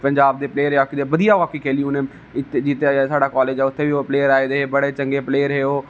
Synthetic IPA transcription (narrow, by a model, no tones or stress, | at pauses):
pəɲd͡ʒaːb̚d̪eːpleːɾɦeaːkɪd̪eːʋəd̪ijaːʋaːkiːkʰeːliũne | ɪt̪ːed͡ʒiːt̪esaːɽaːkɔːleːd͡ʒɛːʊt̪ʰːeːbiopleːəɾaːeːd̪eːbəɽeːt͡ʃə̃ŋɡeːpleːəɾɦeoː